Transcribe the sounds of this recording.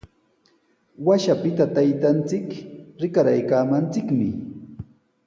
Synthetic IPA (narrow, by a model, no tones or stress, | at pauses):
waʃapɪt̪at̪ajt̪ant͡sɪkɾɪkaɾajkaːmant͡sɪkmɪ